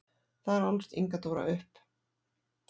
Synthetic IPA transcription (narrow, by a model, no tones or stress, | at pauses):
θaðɛɾɔlst̪ḭŋkat̪owɾa̰ʔʏhp